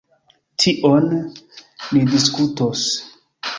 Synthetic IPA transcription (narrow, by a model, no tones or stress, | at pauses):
tʰiʔon | lidiskutos